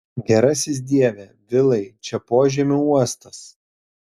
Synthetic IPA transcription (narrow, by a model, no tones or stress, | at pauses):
ɡʲɛɾɐsʲɪs̬d̪ʲiɛʋʲɛʋʲɪlˠɐɪt͡ʃʲɛpoːʒʲiːmʲʊuɔst̪ɐs